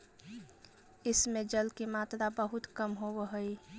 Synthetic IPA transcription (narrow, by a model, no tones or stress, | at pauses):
ɪsmẽd͡ʒəlkimaːt̪ɾabəɦʊt̪kəmɦowəɦəi